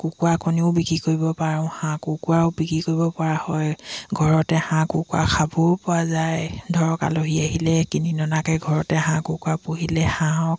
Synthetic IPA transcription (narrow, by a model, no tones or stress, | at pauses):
kukuakʰɔniʊ̃bikɹikoɹibɔpaɹɔ̃ʊhãkʊkuaʊbikɹikoɹibɔpɔɹahɔjɡʱɔɹɔtɛhãkukua̰kʰabʊɹpʊazajdʱɔɹɔka̰loɦiaɦilɛkininɔnakɛɡʱɔɹɔtɛɦãkʊkuapuɦilɛhãɔ̃k